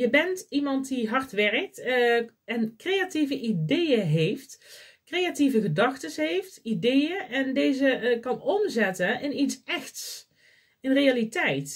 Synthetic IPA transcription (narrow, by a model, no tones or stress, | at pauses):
jəbɛntimɑntdiɦɑɹtʋɛrək̚t | ɛnkrejativəʔidejəɦejft | krejativəɣədɑxtəsɦejftidejəʔɛndejzəkɑnɔmzɛtəɪnitsɛxts | ɪnrejalitɛjt